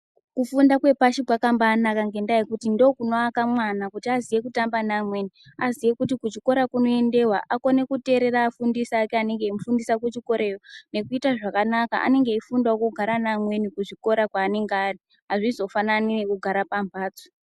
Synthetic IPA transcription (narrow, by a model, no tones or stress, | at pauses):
kufundakwe̞paʃikwakambaːnakaŋɡe̞ndajikutindo̞kunoakamwanakutiazije̞kutambanamwe̞ni | azijekutikut͡ʃiko̞ɾakuno̞e̞nde̞waʔako̞ne̞kute̞ɾe̞ɾaːfundisaːkeane̞ŋɡe̞imufundisakut͡ʃiko̞ɾejone̞kuitaʐakanaka̰ʔa̰ne̞ŋɡeifundaokuɡʱaɾanamwe̞nikuʐiko̞ɾakwaːne̞ŋɡari | ɦaʐizo̞fananiekuɡʱaɾapambʱaːt͡so̥